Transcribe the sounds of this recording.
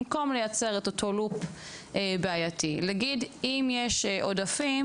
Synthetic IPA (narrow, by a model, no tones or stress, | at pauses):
mko̞mlejat͡seʁetotʰolup | beajatilaɡidimjeʃʔo̞dafim